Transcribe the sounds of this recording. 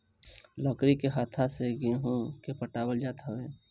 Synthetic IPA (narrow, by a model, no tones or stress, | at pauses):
lɔːkɾikeɦaːt̪ʰaseɡeɦũkepʰəʈaːwəld͡ʒaːt̪ɦəeː